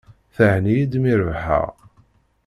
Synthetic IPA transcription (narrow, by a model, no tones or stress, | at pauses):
θəʕnijid̪miɾvħə̰ʁ